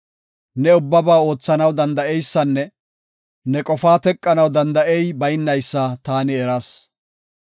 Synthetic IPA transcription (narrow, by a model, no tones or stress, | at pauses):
nɛʊbːɐbaːo̞ːt͡sːɐnɐwd̪ɐnd̪ɐʔɛjsːɐnːɛ | nɛkʼɔfaːt̪ɛkʼːɐnɐwd̪ɐnd̪ɐʔɛjbɐjɪnːɐjsːat̪aːnɪɛɾɐs